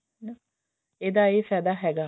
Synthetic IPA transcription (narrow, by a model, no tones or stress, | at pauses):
nə | ed̪aːeːfɛd̪aɦɛɡa